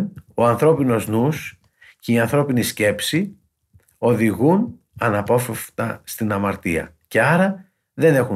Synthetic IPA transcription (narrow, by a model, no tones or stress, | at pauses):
no̞ɐnθɾo̞pino̞znus | ceiɐnθɾo̞pinisce̞psi | o̞ðiɣun | ɐnɐpo̞feft̪ɐst̪inɐmɐɾt̪iɐ̰ | ce̞ɐɾɐ | ðe̞ne̞xu